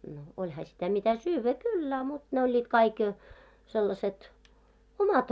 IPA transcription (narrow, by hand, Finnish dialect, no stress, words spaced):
no olʲhɑ sitæ mitæ syːʋːæ kylː ɑ mut ne olʲːiːt kɑik selːɑset omɑt